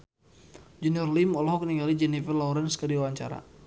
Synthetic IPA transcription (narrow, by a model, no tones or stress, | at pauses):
d͡ʒɛniɔrlimɔlɔɦɔkəniŋɡalid͡ʒɛnifərlauɾanskədiwawaɲt͡ʃaɾa̰